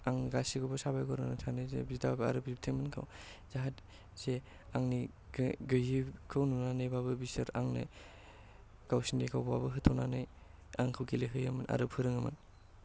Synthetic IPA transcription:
aŋɡasiɡɔbɯsabajɡɔɾɯnɯtʰanɯjzḛbizdabɯa̰ɾɯpip̚tʰemɯnkʰa̰wz̥aɦat | z̥e | aŋni | ɡɯjhikʰɯwnunanɯjbabɯbisɐɾaŋna̰j | ɡawsindekʰawbwabɯɦɯtʰɔnanaj | aŋkʰɯwɡileɦɯjɐmɯnʔa̰ɾɯpʰɯɾɯŋɐmɯ̰n

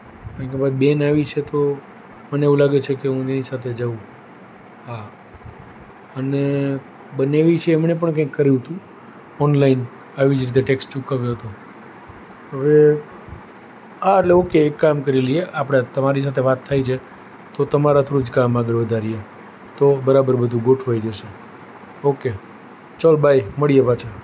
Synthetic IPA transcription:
kãkebad͡ʒbenaʋit͡ʃʰet̪o | məneeʋũlaɡet͡ʃʰekeɦũt̪enisat̪ʰed͡ʒəʋũ | ɦa | əne | bəneʋit͡ʃʰeːmɳep̬əɳkɛ̃kːəɾjũɦt̪ũ | ɔnlain | aʋid͡ʒɾit̪̬eʈekst͡ʃukaʋjõɦət̪o | ɦəʋe | aəʈleokeːkːamkəɾilieʔapɽ̃at̪əmaɾis̬at̪ʰeʋat̪ʰːajt͡ʃʰe | t̪ot̪əmaɾat̪ʰoɾud͡ʒkamaɡəɾʋəd̪ʱaɾie | t̪obəɾabəɾbəd̪ʱũɡoʈʰʋajd͡ʒəʃe | oke | t͡ʃəlbʱajməɭijepat͡ʃʰa

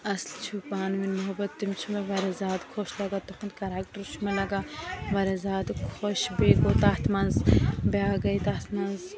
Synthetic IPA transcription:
ɐslt͡ʃʰupaːnminːobɐt̪ːimt͡ʃʰumeʋɐɾezaːd̪kʰoʃlɐɡat̪oxund̪kɐɾaːkʈɐɾt͡ʃʰumɐlɐɡaʋɐɾezaːd̪kʰoʃbeːɡoːt̪ɐht̪mɐnzbaːɡɐjt̪ɐht̪mɐnz

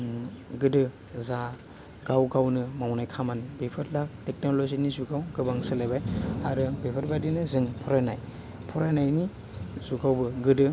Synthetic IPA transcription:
ɡɯdɯ | za | ɡawɡawnɯmawnajkʰamanibepʰɯɾlak̚tek̚nolozinizuɡawɡɯbaŋsɯlajbajaɾɯbepʰɯɾbadinɯzɯŋpʰɔɾajnaj | pʰɔɾajnajni | zuɡawbɯɡɯdɯ

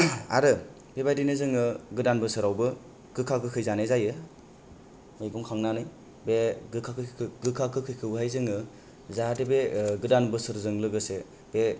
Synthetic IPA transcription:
a̰ɾɯ | bebajdinɯzɯŋɯɡɯdanbɯsɯɾawbɯ | ɡ̥ɯkʰakʰɯkʰɯjzanezajɯ | mɯjɡɔŋkʰaŋnanɯj | beɡɯkʰakʰɯɡɯkʰakʰɯkʰɯjkʰɯbɦajzɯŋɯ | zadebeɡɯdanbɯsɯɾzɯŋlɯɡɯse | b̥e

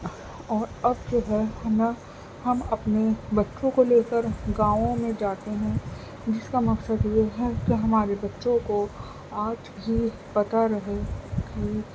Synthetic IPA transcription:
ɔːɾɐbd͡ʒoːɦɛnɐ | hɐmɐpnebɐtːʃõkoleːkəɾɡãːʋõmẽd͡ʒaːt̪eɦɛ̃ | d͡ʒɪskamɐksəd̪jeɦɛkiɦɐmaːɾebɐtːʃõko | aːd͡ʒɦi | pɐt̪aɾɐɦeki

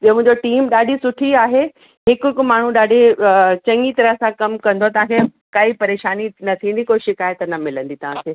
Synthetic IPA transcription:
ɓiomʊ̃ɦɲd͡ʑoʈiːmɗaːɗʱisʊʈʰiaːɦe | ɦɪkɪkmaːɳ̤ũɗaːɖʱet͡ɕɐ̃ŋɡit̪ɐɾəɦsãkɐmkɐ̃nd̪oat̪ɐʋ̤ãkʰe | kaːipɐɾeːʃaːninɐt̪ʰĩːnd̪ikoːʃɪkaːjət̪nɐmɪlə̃nd̪it̪ɐʋ̤ãkʰeː

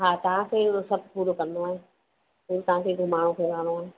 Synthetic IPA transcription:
ɦaːt̪ɐʋ̤ãkʰeʊɾosɐb̚ʱpuːɾokɐ̃ɾnd̪oaːɦẽː | puːɾot̪ɐɦãːkʰeɡʱomaːɽ̤õkʰeːɾaːɽ̃oaːɦeː

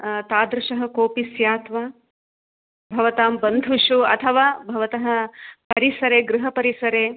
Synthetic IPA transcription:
t̪aːd̪ɾɪʃɐɦɐ̆koːpisjaːt̪ʋaː | bʱɐʋɐt̪aːmbɐnd̪ʱuʃuɐ̰t̪ʰɐʋaːbʱɐʋɐt̪ɐɦɐ̆pɐɾisɐɾeːɡɾuɦɐpɐɾisɐɾeː

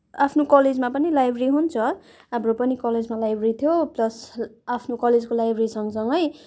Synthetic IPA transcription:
apʰnokʌled͡zmapʌnilajbʱriɦunt͡sʰʌ | ɦamropʌnikʌled͡zmalajbʱrit̪ʰjoplʌsapʰnokʌled͡zkolajbʱrisʌŋsʌŋɡʌj

